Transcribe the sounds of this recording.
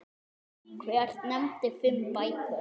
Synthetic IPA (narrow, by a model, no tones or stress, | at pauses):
kʰveaɾ̥nɛmt̪ɪfɪmpaj